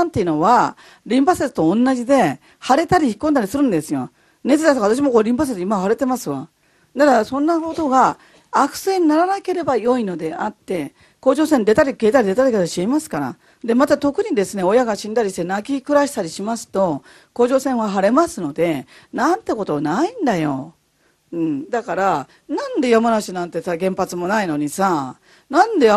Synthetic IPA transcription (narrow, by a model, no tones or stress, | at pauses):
ãnt̪e̞iɯnoβa | ɾʲĩmpasesɨ̥t̪õ̞ːnːaʑid̪e̞ | haɾe̞t̪aɾʲiçi̥ikːond̪aɾʲisɨɾɯ̟̃nd̪e̞sɨjo̞̰ | ne̞t͡sɨd̪at̪oaβat̪aɕ̬imo̞koɾʲĩmpas̬esimaβɦaɾe̞t̪e̞masɨβa̰ | d̪akasõ̞nːakot̪o̞ɡaː | kɯ̟̥se̞ɲ̟inaɾanake̞ɾe̞bajo̞ino̞d̪e̞at̪ːe̞ | ko̞ːʑo̞ːsẽnd̪e̞t̪aɾʲike̞ːt̪aɾʲid̪e̞t̪aɾiket̪aɕiemasɨ̥kaɾa̰ | d̪e̞mat̪at̪okɯ̟ɲ̟id̪e̞sɨne̞o̞jaɡaɕĩnd̪aɾʲiɕi̥t̪e̞nakʲikɯ̟ɾaɕi̥t̪aɾʲiɕimasɨ̥t̪o̞ | ko̞ːʑo̞ːsẽ̞ɰ̃βaɦaɾe̞masɨno̞d̪e̞ | nãnt̪e̞ko̞t̪o̞naĩnd̪ajo̞̰ | ɯ̟̃ɴd̪akaɾa | nãnd̪e̞jamanaɕinãnt̪e̞saɡẽ̞mpat͡sɨmo̞naino̞ɲ̟isa | nãnd̪e̞